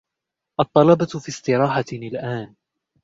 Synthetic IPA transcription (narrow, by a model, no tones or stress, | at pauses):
ʔɑt̪ˤːɑlɑbɑfiːst̪ɪɾˤɑːħanɪlʔaːn